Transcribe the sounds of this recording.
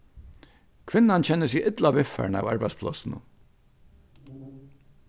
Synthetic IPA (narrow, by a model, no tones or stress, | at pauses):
kʰvɪnːant͡ɕʰɛnːəsiʔɪt̪lavɪfa̰ɹna̰wa̰ɹpajspʰlɔ̰sɪnʊ̰